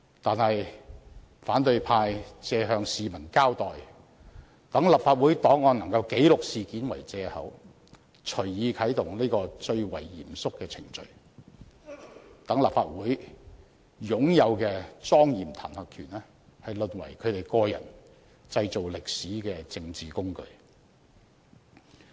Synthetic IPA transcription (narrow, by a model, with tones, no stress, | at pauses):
t̪aː˨nhɐ˨j | faː˨˥nt̪ɵ˧ɥpʰaː˧jt͡sɛː˧ɦœː˧ŋsiː˨mɐ˨˩nkaː˥wt̪ɔː˨˩j | t̪ɐ˨˥ŋlɐ˨p̚faː˧t̚wuː˨˥jt̪ɔː˨˥ŋːɔː˧nɐ˨˩ŋkɐ˧wke˨˥jlʊ˨k̚siː˨kiː˨˥nwɐ˨˩jt͡sɛː˧hɐ̰˨˥w | t͡ʃʰɵ˨˩ɥjiː˨˧kʰɐ˨˥jt̪ʊ˨˩ŋliː˥kɔː˧t͡ʃɵ˧ɥwɐ̰˨˩jjḭː˨˩msʊ˥kːɛː˧t͡sʰɪ˨˩ŋt͡ʃɵ̰˨ɥ | t̪ɐ˨˥ŋlɐ˨p̚faː˧t̚wuː˨˥j | jʊ˨˥ŋjɐ˨˧wkɛː˧t͡sɔː˥ŋjiː˨˩mt̪ʰa̰ː˨˩nhɐː˨kʰyː˨˩nɛ˥ | hɐ˨jlɵ˨nwɐ̰˨˩jkʰɵ˨˧ɥt̪e˨jkɔː˧jɐ̰˨˩n | t͡sɐ˧jt͡so˨wlɪ˨k̚siː˨˥kɛː˧t͡sɪ˧ŋt͡siː˨˩kʊ˥ŋkɵ̰˧ɥ